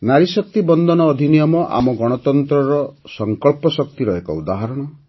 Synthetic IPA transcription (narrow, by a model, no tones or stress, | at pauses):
naɾisɔk̚t̪ibɔnd̪ɔnɔːd̪ʱinijɔmɔʔa̰mɔɡɔɽ̃ɔt̪ɔnt̪ɾɔɾɔsɔŋkɔɭpɔsɔk̚t̪iɾɔekɔ̰ud̪aɦaɾɔɽ̃ɔ